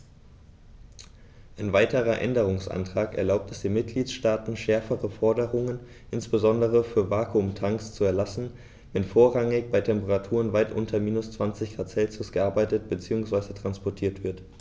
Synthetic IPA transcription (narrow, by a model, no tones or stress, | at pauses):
ʔaɪnvaɪtəʁɐʔɛ̰ndəʁ̞ʊŋsʔa̰ntʁ̥aːkɛ̰ɐlaʊp̚tɛsd̥eːnmɪt̚ɡ̥liːtʃtaːtn̩ʃɛɐfəʁəfɔɐdəʁʊŋən | ʔɪnsb̥əzɔndəʁ̞əfyːɐvaːkʰumtʰaŋkst͡suɛɐlasn̩ | vɛnfoːɐʁaŋɪçb̥aɪtʰɛmpəʁatʰuːʁ̞ənvaɪtʔʊ̰ntʰɐmiːnʊst͡sv̥ant͡sɪçɡ̥ʁaːt͡sɛlt͡sʊsɡ̥əʔaɐbaɪtətb̥ət͡siːʊŋsv̥aɪzətʁ̥anspɔɐtʰiːɐtv̥ɪɐt